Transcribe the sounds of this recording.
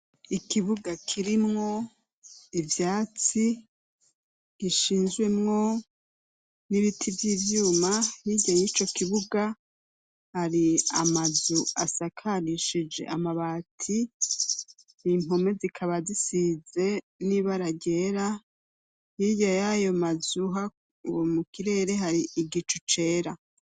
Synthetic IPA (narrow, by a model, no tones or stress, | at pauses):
ikiβuɡakʰiɾimŋo̞ | ivjaːt͡si | ɡ̥iʃiːnzɡwe̞mŋo̞ | niβitʰivjiːvjuːmahiɟajit͡ʃo̞kiβuɡa | haɾia̰mazuasakʰaɾiʃid͡ʒe̞̰ʔamaβatʰi | nimo̞me̞zikʰaβazisize̞ | niβaɾaɟe̞ːɾa | hiɟajajo̞mazuɦa̰ | womukiɾe̞ːɾe̞ɦaɾiiɡit͡ʃut͡ʃe̞ːɾa